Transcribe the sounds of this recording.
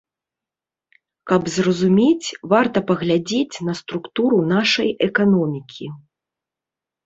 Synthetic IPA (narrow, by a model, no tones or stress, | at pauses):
kɐbzrɐzumʲet͡sʲvart̪ɐpɐɣlʲad͡zʲet͡sʲnɐst̪ɾukt̪uɾunaʂɐjɛkanɔmʲikʲʰi